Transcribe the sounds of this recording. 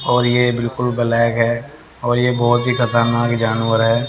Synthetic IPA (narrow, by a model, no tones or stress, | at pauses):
ɔːɾjebɪlkʊlbəlɛːkɦɛː | ɔːɾjebɔːʊt̪ɦixɐt̪əɾnaːkd͡ʒaːnwəɾɦɛː